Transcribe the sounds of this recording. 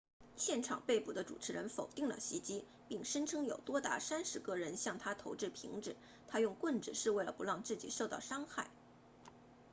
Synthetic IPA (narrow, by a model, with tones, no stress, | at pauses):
ɕjɛ˥˩nʈ͡ʂʰɑ̰˨˩ŋpe˥˩ɪpu˨˩d̪ə˦ʈ͡ʂu˨˩ʈ͡ʂʰɻ̩˧˥ɻə˧˥nfo˨˩ʊt̪i˥˩ŋlə̰˩ɕi˧˥t͡ɕi˥ | pi˥˩ŋʂə˥ŋʈ͡ʂʰɤ˥ŋjo˨˩ʊt̪wɔ˥t̪a̰˧˥sa˥nʂɻ̩˧˥kɤ˥˩ɻə˧˥nɕjɑ˥˩ŋt̪ʰa˥t̪ʰo˧˥ʊʈ͡ʂɻ̩˥˩pʰi˧˥ŋʈ͡ʂɻ̩˨˩˦ | t̪ʰa˥jʊ˥˧ŋkwə˥˩nʈ͡ʂɻ̩˨˩ʂɻ̩˥˧we˥˩ɪlə˩pu˧˥lɑ˥˧ŋt͡sɹ̩˥˩t͡ɕi˨˩ʂo˥˧ʊt̪ɑ˥˩ʊʂɑ˥ŋxa˥˩ɪ